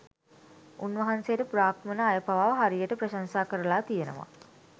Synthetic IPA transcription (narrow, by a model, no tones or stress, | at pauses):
unʋɐɦansejəʈəpuɾaːkmənəajəpaʋaːʋɦaɾijəʈəprɐʃansaːkəɾəlaːt̪ijenə̰ʋa̰